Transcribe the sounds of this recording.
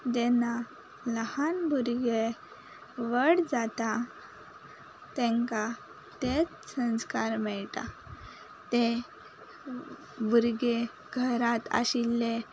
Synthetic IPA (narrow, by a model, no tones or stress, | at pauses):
d̪ena | ləhanbʱuɾɡe | ʋəɽd͡zat̪a | t̪ẽŋka | t̪et͡s | sə̃nskaɾmɛɭʈa̰ | t̪e | bʱuɾɡe | ɡʱəɾat̪a̰ɕilːe